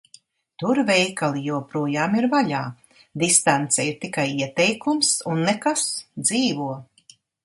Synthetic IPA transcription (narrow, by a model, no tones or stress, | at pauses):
t̪uɾvɛjkalˠijuɔpɾuɔjaːmiɾvaʎa̰ː | d̪ist̪ant̪sɛjiuɾt̪ikajiɛt̪ɛjkumsunːɛkasd̪ziːvuɔ